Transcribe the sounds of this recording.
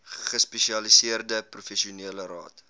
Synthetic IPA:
χəspɛʃiɐlisiərdəprufɛʃiuniələɾɑ̰ːt

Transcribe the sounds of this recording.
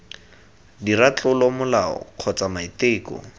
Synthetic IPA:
dirat͡ɬʼʊlɔmʊlaɔ̰q͡χʰɔt͡samaiteːkɔ̰

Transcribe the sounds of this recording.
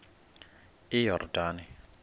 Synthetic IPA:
ijɔrdaːnɪ

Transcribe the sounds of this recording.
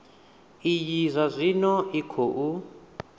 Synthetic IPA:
ijizʷazʷinɔikʰoʔu

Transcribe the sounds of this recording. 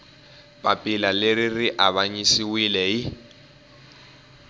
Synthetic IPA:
pʼapʼɪlaleririʔaβaɲisiwilɛɪ

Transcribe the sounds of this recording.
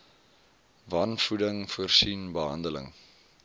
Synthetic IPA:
vɐnfudəŋfuərsinbəɦɐ̰ndələ̰ŋ

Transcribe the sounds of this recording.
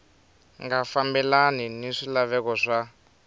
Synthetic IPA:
ŋɡafambɛlaniniʂilaβɛkɔʂa

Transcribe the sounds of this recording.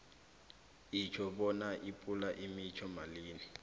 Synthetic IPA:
it͡ʃʰɔɓɔnaʔipʼulaʔimit͡ʃʰɔmaliːnɛ

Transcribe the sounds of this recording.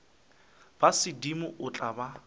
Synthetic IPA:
b̥asɪdimʊʔʊt͡ɬʼaba

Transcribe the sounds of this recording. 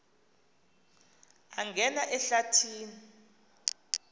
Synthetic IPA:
aŋɡʱɛnaʔɛɬatʰiːni

